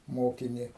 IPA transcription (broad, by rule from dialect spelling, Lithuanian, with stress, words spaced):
ˈmoːkʲɪnʲɪ